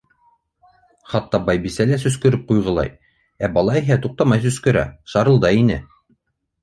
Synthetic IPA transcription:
χɑt̪ːɑbɑjbisælæsɵ̆skɵ̆ɾɘp̚qujʁɤ̆lˠɑ̰j | æbɑlˠɑiɦæt̪uq̚t̪ɑmɑjs̬ɵ̆skɵ̆ɾæ̰ʃɑɾɤ̆lˠd̪ɑinɘ̰

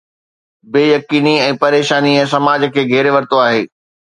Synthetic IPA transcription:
beːjɐkiːniɛ̃ːpɐɾeːʃaːniɛ̃ːsɐmaːd͡ʑəkʰeːɡʱɛːɾeʋɐɾt̪oaːɦeː

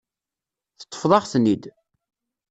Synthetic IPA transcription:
θə̥t̪ˤːə̥fðˤɑʁθnid̪

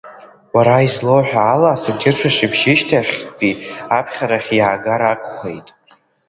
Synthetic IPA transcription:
waɾaizlo̞wħᶣaːlaːsatʲʰɪrʈ͡ʂʰaʂibʒɪʃtʰaχʲpʼiapʰχʲaɾaχʲjaːɡaɾakʷʼχḛjtʼ

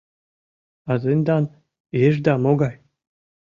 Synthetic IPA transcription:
ɑzenʲd̪ɑn | eʒd̪ɑmoɡɑj

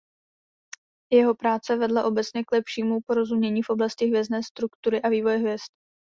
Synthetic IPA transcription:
jɛɦo̞pɾaːt͡sɛvɛdlaʔo̞bɛt͡sɲɛklɛpʃiːmupo̞ɾo̞zumɲɛɲiːfʔo̞blascɪɦvjɛznɛːst̪ɾukt̪uɾɪʔaviːvo̞jɛɦvjɛst̪̚

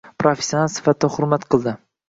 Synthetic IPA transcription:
pʰɾofe̥sʲjonalˠsɪ̥fat̪ʰɪd̪aχʊɾmat̪qʰɨlˠd̪ɪ

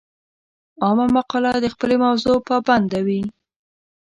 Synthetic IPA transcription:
ɑmamaqɑlad̪əxpəlemawzopəband̪awi

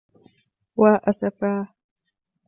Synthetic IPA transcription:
waːʔasafaː

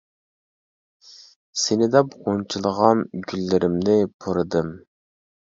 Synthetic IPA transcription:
senɪd̪ɛpʁont͡ʃʰlˠəʁɑnɡʲylːɪɾʔɪmnɪpʰoɾɨd̪ɨm

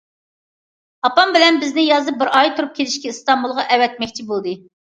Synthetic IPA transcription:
ɑpɑmbɪlɛnbɪznɪjɑzɨp̚bɪɾɑjt̪ʰuɾup̚kʲʰelɪʃkʲɛɨst̪ɑmbulˠʁɑʔɛwɛt̪̚mɛkʲt͡ʃʰibolˠd̪ɨ

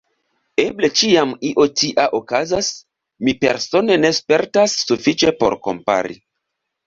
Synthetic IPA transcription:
e̞ble̞t͡ʃiamiʔo̞tiʔaʔokazas | mipe̞̰ɾso̞ne̞ne̞spe̞ɾtasːufit͡ʃe̞po̞̰ɾko̞̰mpa̰ɾḭ

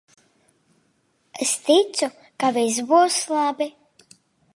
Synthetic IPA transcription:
eɛst̪it̪su | kavizbuɔslˠabi

